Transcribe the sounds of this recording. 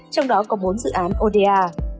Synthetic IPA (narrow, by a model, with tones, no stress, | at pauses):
t͡ɕɔ˧wŋ͡mɗɔ˨˦kɔ˨˦ɓo˨˦nzɨ̰˧˨ʔaː˨˦nʔo˧ɗe˧aː˧